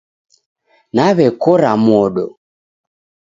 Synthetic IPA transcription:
naβɛkɔɾamɔɗɔ

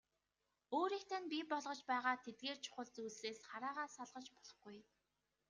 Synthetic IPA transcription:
oːɾiːkt̪ʰænpʲipɔɮʁɞ̆t͡ɕpæːʁaːt̪ʰet̪̚ɡeːrt͡ɕʰʊ̥χə̆ɮt͡suːseːsχaɾaːʁaːsaɮʁə̆t͡ɕpɔɮɞ̆χɡuj

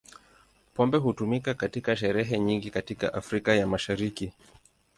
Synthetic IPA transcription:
pɔmbɛɦutumikakatikaʃɛɾɛɦɛɲiŋɡikatika̰ʔafɾikajamaʃaɾiki

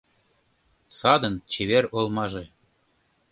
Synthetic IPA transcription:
sɑd̪ə̆nt͡ɕeβeɾolmɑʒe

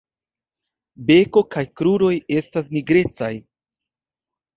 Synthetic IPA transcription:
be̞ko̞kajkɾuɾo̞je̞stas̬niɡɾe̞t͡saj

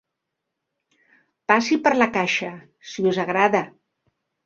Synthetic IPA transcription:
pasipəɾlakaʃa | siuzaɣɾaða

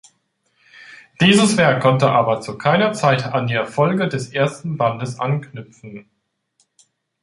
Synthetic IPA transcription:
d̥iːzəsv̥ɛɐkʰːɔntəʔaːbɐt͡sukʰaɪnɐt͡saɪtandiːɛɐfɔlɡədɛsʔeːɐstn̩bandəsʔanknʏpp͡fn̩

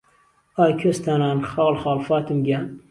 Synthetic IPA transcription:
ɑːjkʲʰøst̪ʰanɑːnχɑːlχɑːlfɑːt̪ɨmɡʲa

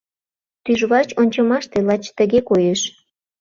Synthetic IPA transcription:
t̪yʒβɑt͡ɕonʲt͡ɕɤmɑʃt̪elɑt͡ɕt̪ə̆ɣekojeʃ

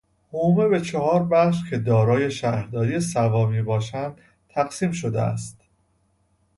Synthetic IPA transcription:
humebe̞t͡ʃʰeɦɒːɾbæxʃcʰe̞d̪ɒːɾɒːje̞ʃæhɾd̪ɒːɾijesævɒːmiːbɒːʃænd̪̥ | t̪ʰːæɡsiːmʃo̞d̪ḛæ̰st̪

